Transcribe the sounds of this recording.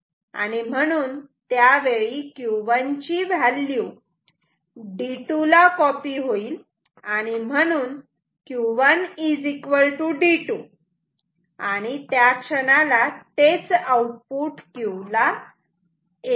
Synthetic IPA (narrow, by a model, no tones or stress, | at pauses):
a̰ɽ̃im̤əɽ̃uːnt̪jaʋeɭikjuʋaɲt͡ɕiʋʱalːju | ɖiʈulakɔpiɦoiːl | aɽ̃im̤əɽ̃uːn | kjuʋənid͡zikʋəlʈuɖiʈu | aɽ̃it̪jakʂəñalat̪et͡sauʈ̚puʈkula